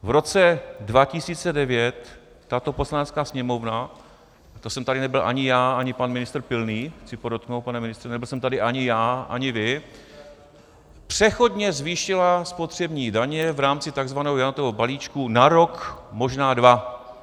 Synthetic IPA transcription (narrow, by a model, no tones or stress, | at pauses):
vɾo̞t͡sɛdvacɪsiːt͡sɛdɛvjɛt̪ː | at̪o̞po̞slanɛt͡skaːsɲɛmo̞vna | t̪osɛmt̪adɪnɛbɪlʔa̰ɲɪjaːaɲɪpanmɪnɪst̪r̩pɪlniːxt͡sɪpo̞dot̪̚knowt̪̚panɛmɪnɪst̪r̥ɛnɛbɪlsɛmt̪adɪʔaɲɪjaːʔa̰ɲɪvɪ | pr̝̥ɛxo̞dɲɛzviːʃɪlaspo̞t̪r̝̥ɛbɲiːdaɲɛvɾaːmt͡sɪt̪aɡzvanɛːɦojanot̪ovobaliːt͡ʃkunaɾo̞kmo̞ʒnaːdva